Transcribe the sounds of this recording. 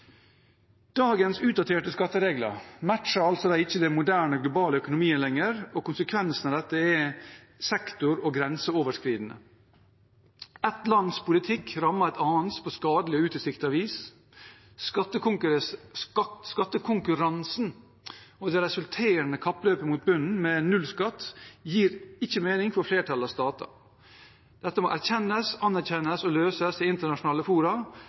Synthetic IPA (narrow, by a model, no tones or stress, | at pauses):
d̪̥ɑːɡənsʉːt̪̚d̪ɑt̪ʰeːʈəskɑt̪ːəɾeːɡlə̰ɾmæʈʃɑɾɑlt̪sɔd̪æɪɪçːəd̪ɛmʊd̪æːɳəɡlʊbɑːləœkʊnʊmiːəlɛŋəɾɔkʊnsəkʰʋɛnsn̩ɑʋd̪ɛt̪ːəɛ | sɛkt̪ʊɾɔɡɾɛnsəoːʋəʂkɾiːd̪n̩ə̰ | ɛt̪lɑnd̪spʰʊlɪt̪ʰɪkɾɑmːəɾɛt̪ɑːnt̪spʰoːskɑːd̪lɪəʉːt̪əsɪkt̪əɑʋiːs | sɑt̪ːəkʊk | skɑt̪ːəkʰʊŋkʉɾɑnsn | ɔd̪ɛɾɛsʉlt̪ʰeːɾənəkʰɑpːløːpəmuːt̪̚bʉnn̩mɛnʉlskɑt̪ːjiːɾɪçːəmeːnɪŋfɔɾfleːʈʰɑlɑʋst̪ɑːt̪ʰɑ̰ | d̪̥ɛt̪ːəmɔ̰ʔæɾçɛnːəsɑnæɾçɛnəsɔløːsəsɪɪnt̪əɳɑʂʊnɑːləfuːɾɑ